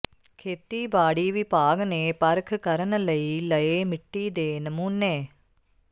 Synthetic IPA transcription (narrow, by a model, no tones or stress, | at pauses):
kʰet̪ːiːbaːɽiːʋipaːɡɐneːpɐɾɐkʰɨkɐɾɐnɐlɐjilɐjeːmiʈːiːd̪eːnɐmunːeː